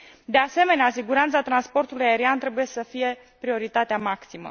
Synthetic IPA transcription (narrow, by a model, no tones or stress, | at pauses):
d̪e̞ase̞me̞neasiɡuɾant̪sat̪ɾanspo̞rt̪ulujaeɾiant̪ɾe̞buje̞səfije̞ | pɾio̞ɾit̪at̪eamaksimə̰